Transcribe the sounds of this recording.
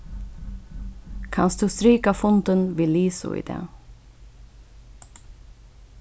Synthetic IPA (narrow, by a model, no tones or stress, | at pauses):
kʰɑnsd̪̥ʉːst̪ɾiːkafʊnt̪ənʋiːliːsʊ̰ʔḭːd̪ḛː